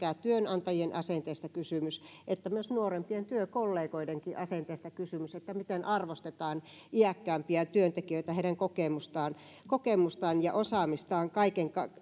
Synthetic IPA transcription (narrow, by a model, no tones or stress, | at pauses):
æːt̪yønɑnt̪ɑjienʔɑsent̪eːst̪ɑkysymysʔet̪ːæmyøsnuorempient̪yøkolːeːkoideŋkiʔɑsent̪eːst̪ɑkysymyset̪ːæmit̪enʔɑrʋost̪et̪ɑːn | iækːæːmpiæt̪yønt̪ekijøit̪æheiɾæŋkokemust̪ɑːn | kokemust̪ɑːnjɑ̰ʔosɑːmist̪ɑːŋkɑikeŋkɑ